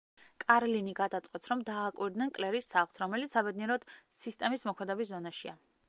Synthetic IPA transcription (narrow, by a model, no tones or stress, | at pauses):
kʼaɾliniɡad̪at̪sʼqʼɛt̪sʰɾɔmd̪aːkʼwiɾd̪nɛnkʼlɛɾisːaʁlˠsɾɔmɛlit̪ssabɛd̪niɛɾɔd̪̥sist̪ʼɛmismɔkʰmɛd̪ɛbiszɔnaʃia